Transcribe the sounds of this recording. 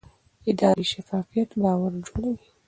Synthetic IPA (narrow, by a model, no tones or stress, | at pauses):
ɪd̪ɑɾiʃafɑːfijat̪bɑwaɾd͡ʒoɽawi